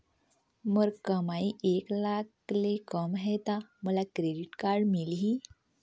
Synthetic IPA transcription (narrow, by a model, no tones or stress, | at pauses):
məɾkəmaieklak | lekəmɦɛt̪aməlakɾeɖiʈkaɾɖmilɦiː